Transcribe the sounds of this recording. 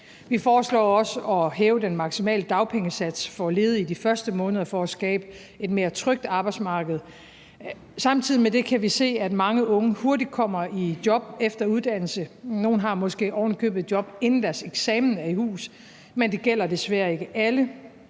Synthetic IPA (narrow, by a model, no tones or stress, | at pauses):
ʋifɒːslɒ̰ːɒ̽səɒ̽ɦɛːʊəd̥enmɑ̈ɡ̥simɛ̰ːləd̥ɑ̈ʊpʰeŋəsæd̥sfɒ̽le̝ːð̞̩ˠidifɶɐsd̥əmɔ̽ːnəð̞ˠɐfɒɒsɡ̥ɛ̰ːb̥ə | e̝d̥me̝ːɐt͡sʰʁœɡ̥̚d̥ɑ̈ːb̥ɑ̈ɪd̥smɑ̈ːɡ̥əð̞̩ˠ | sɑ̈mt͡sʰið̞̰ˠimede̝kʰæʋise̝̰ːæd̥mɑ̈ŋəʔɔ̽ŋəho̝ɐdid̥̚kʰɒ̽m̰ɐid̥jɒ̽b̥efd̥ɐuð̞ˠd̥æn̰l̩səno̝ːn̩ɦɑ̈mɒ̽sɡ̥e̝̰ːɒ̰ːnlikʰø̰ːb̥ð̩ˠd̥jɒ̽b̥e̝nn̩d̥æɐseɡ̥sɛːmn̩æɐihṵːs | mend̥e̝ɡ̥el̰ɐd̥e̝sʋæɐ̰e̝ɡ̥əʔælə